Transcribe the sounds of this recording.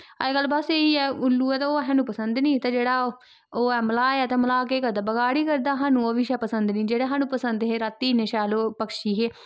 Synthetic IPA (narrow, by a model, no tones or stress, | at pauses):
aeɡəlbaseːiːɛːʊlːuːɛːt̪aoːɦãːnuːpəsənd̪nĩːt̪ãːd͡ʒeːɽaː | oːɛːməlaːɛːt̪eːməlaːkeːkəɾd̪aːbəɡaːɽiːkəɾd̪aːɦaːnũːoʋɪʃɛːpəsənd̪nĩːd͡ʒeːɽaːɦaːnũːpəsənd̪ɦeːɾat̪ːiːneːʃɛːloːpəkʃiːɦeː